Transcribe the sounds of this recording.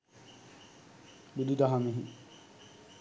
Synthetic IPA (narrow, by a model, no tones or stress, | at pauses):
bud̪id̪aɦamiɦi